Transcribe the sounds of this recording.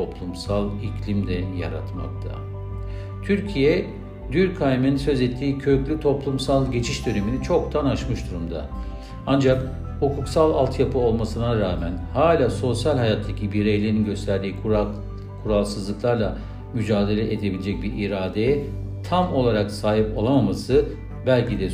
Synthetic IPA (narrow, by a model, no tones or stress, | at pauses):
o̞plˠumsalˠicʰlʲimd̪ɛja̰ɾa̰t̪ma̰k̚t̪ʰa̰ | t̪ʰyɾcʰijɛ | d̪yɾkʰajmeninsø̞zɛt̪ʰːiːcʰøyclʲyt̪ʰo̞plˠumsalˠɟe̞t͡ʃʰiʃd̪ø̞neminit͡ʃʰo̞k̚t̪ʰanaʃmɯʃd̪uɾumd̪a̰ | and͡ʒak | hukʰuksalˠalˠt̪ʰjapʰɯo̞lˠmasɯnaɾaːmænhaːlʲaːso̞sjalʲhajat̪ʰːacʰibiɾejlʲeɾinɟø̞st̪ʰæɾd̪iː | kʰuɾalˠsɯzlˠɯklˠaɾlˠa | myd͡ʒaːd̪e̞lʲɛʔed̪e̞bilʲed͡ʒɛc̚biɾiɾaːd̪e | t̪ʰamo̞lˠaɾaksaːɦipo̞lˠamamasɯ | bælʲcʰid̪ɛ